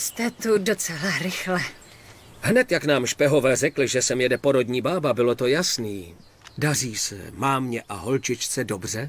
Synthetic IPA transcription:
st̪ɛt̪udot͡sɛlaɾɪxlɛ | hnɛt̪jaknaːmʃpɛɦo̞vɛːrɛklɪʒɛsɛmjɛdɛpoɾo̞dɲiːbaːbabɪlo̞t̪ojasniː | dariːsɛ̰maːmɲɛʔaɦo̞lt͡ʃɪt͡ʃt͡sɛdobr̝ɛ

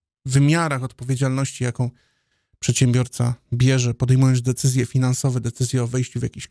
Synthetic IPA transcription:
vɘmʲjaɾaxɔt̪̚pɔvʲjed͡ʑalnɔɕt͡ɕijakɔ̃w̃ | pʂɛt̪ɕɛmbʲjɔɾt̪sa̰bʲjɛʐɛpɔd̪ɛjmujɔnzd̪ɛt̪sɘzʲjɛfʲinansɔvɛd̪ɛt̪sɘzʲjɛɔvɛjɕt͡ɕuvʲja̰kʲiɕ

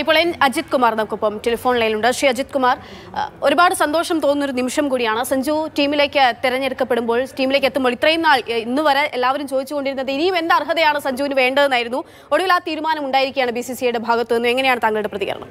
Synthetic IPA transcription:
ipːoɭenɐd͡ʑit̪̚kumaːrnɐmukːopːɐmʈelɐfo̞ːnlɐjniluɳɖɨʂiɐd͡ʑit̪̚kumaːr | o̞ɾubaːɽɨsɐnd̪oːʂɐmt̪o̞ːnːo̞ɾunimʂɐmkuːɽijaːɳɨsɐɲd͡ʑuːtiːmile̞ːkːɨt̪iɾɐɲːeɽɨkːɐpːeɽumbo̞ːɭʈiːmile̞ːkːet̪ːɨmoɭit̪rɐjumnaːɭinːɨʋɐɾɐʔelːaːʋɐɾumt͡ɕoːd̪it͡ɕːuko̞ɳɖiɾunːɐðɨinijumend̪aːrɦɐðɐjaːɳɨsɐɲd͡ʑuːnɨʋe̞ːɳɖɐðenːaːjiɾunːu | o̞ɽuʋilaːt̪iːɾumaːnɐmuɳɖaːjiɾikʲːujaːɳɨbisisijejɽebʱaːɡɐt̪ːeːnːue̞ŋːɐnejaːɳɨt̪aːŋːɐɭɽeprɐðiɣɐɾɐ̰ɳɐ̰m

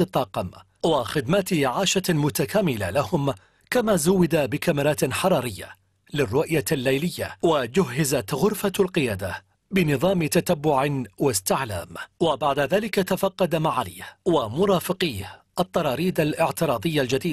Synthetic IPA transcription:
ɨt̪ˤːɑːqɑm | waxɪd̪maːt̪ɪʕaːʃamʊt̪akaːmɪlalahʊm | kamaːzʊwːɪd̪abɪkamɪɾˤɑːt̪ħɑɾˤɑːɾɪjːa̰ | lɪrːʊʔjalːajlɪjːa̰wad͡ʒʊhːɪzat̪ɣʊɾfalqɪjaːd̪a | bɪnɨðˤɑːmɪt̪at̪abːʊʕɪwast̪ɪʕla̰ːmwabaʕd̪aðaːlɪkat̪afɑqːɑd̪amaʕala̰ːhwamʊɾˤɑːfɪqiːh | ʔɑt̪ˤːɑɾˤɑːɾiːd̪alʔɪʕt̪ɪɾˤɑːd̪ˤɨjːald͡ʒad̪iːd̪̚

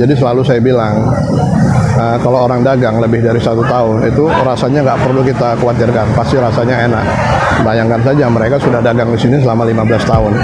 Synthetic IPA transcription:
d͡ʒadisəlalusajabilaŋ | əkalooɾaŋdaɡaŋləbɪhdaɾisat̪ut̪aʊnʔit̪u | rasaɲaŋɡaʔpərlukit̪akuwat̪ɪrkanpast̪iɾasaɲaenak̚ | bajaŋkans̬ad͡ʒaməɾekasudahdaɡaŋdisinisəlamalimabəlast̪aʊn

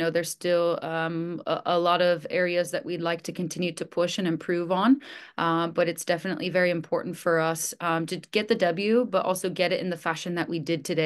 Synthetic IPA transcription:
noʊðə˞z̥stɪl̰ˠ | ʔəlɔɾʌvɛɹiɨzðɨʔwilaɪk̚tʰɨkʰɨ̃n̩tʰɪ̃njʉɾɨpʰʊʃɨ̃nɨ̃mpʰɹ̥ʉvn̩ʔb̥ʌɾɨtsd̥ɛfɨnə̰ʔlivɛɹiɨ̃mpʰɔɹʔn̩tfə˞ʌstʰɨɡ̥ɛt̪̚ðɨdʌbl̩ˠjʉbʌɾʔɔ̰lˠsoʊɡɛɾɨɾɨ̰̃nðɨfæʃɨ̃nðɨʔwidɨd̚tʰɨde

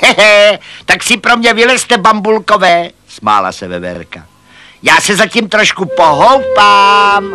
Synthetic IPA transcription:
ɛɛt̪aksɪpɾo̞mɲɛvɪlɛst̪ɛbambulko̞vɛː | sma̰ːla̰sɛvɛ̰vɛ̰ɾka̰ | jaːsɛzacimt̪ɾo̞ʃkupo̞ɦowpaːm

